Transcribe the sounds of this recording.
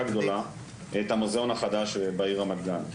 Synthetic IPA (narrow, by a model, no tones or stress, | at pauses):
aɡd̪o̞la | et̪hamozeonaχad̪aʃebaiʁamad̪ɡan